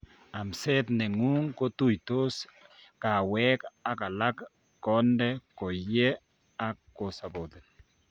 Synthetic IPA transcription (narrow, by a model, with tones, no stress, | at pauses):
a˨msɛ˦t̪nɛ˨ŋu˦ŋko˦t̪u˦jt̪o˦ska˨wɛ˦ka˨ka˨la˦kː | ɔ˦ndɛ˦ko˨jɛ˦ | a˦ko˨sa˨bo˨d̪e˨